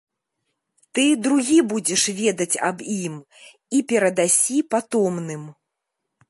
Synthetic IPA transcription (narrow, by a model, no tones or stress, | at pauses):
t̪ɨd̪ɾuɣʲibud͡zʲɛʂvʲɛd̪ɐt͡sʲa̰bim | ipʲɛɾɐd̪asʲipat̪ɔmnɨm